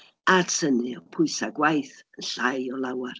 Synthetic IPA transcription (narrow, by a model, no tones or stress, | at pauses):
atʰənɨɔpʰʊɨsaɡwajθənɬajɔlˠawar